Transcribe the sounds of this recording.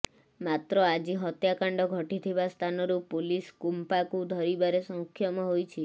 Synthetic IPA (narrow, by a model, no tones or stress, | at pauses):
mat̪ɾɔad͡ʒiɦɔt̪jakaɳɖɔɡʱɔʈit̪ʰibast̪ʰanɔɾupuliskumpakud̪ʱɔɾibaɾesɔŋkʰːjɔmɔɦojt͡ʃʰi